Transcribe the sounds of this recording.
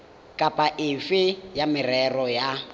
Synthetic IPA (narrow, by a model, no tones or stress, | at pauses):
kʼapʼaʔɪfɪjamɪrɛrɔja